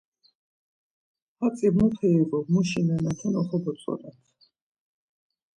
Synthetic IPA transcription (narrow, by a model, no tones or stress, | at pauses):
hat̪sʼibmɔt̪ʰɛɛɡɔmuʃinɛnat̪ʰɔnɔχɔbɔt̪sʼɔ̰nɛt̪ʰ